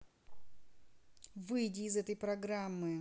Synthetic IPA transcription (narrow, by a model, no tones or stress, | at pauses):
vɨjdʲɪːzɛt̪əjpɾɐɡɾamːɨ